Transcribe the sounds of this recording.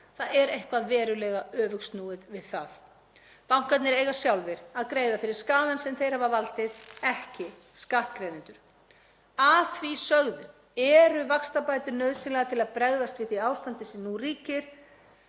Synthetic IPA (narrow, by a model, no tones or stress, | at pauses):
θaðɛɾejhkvaðvɛːɾʏlɛːɣaœːvʏkst̪nuːðɪðvɪðθað | pawŋ̥kat̪nɪɾeːjɣasjawlvɪɾ̥aðkɾeːjðafɪɾɪɾ̥skaːðansɛmθejɾ̥havavalt̪ɪðɛhcɪ | skaht̪kɾejðɪnt̪ʏɾ̥ | aθvisœɣðʏ | ɛɾʏvakst̪apaːjt̪ʏɾnœɥðsɪnlɛɣat̪ʰɪlaðpɾɛɣðast̪vɪθiaːwst̪ant̪ɪsɛmnuriːcɪɾ̥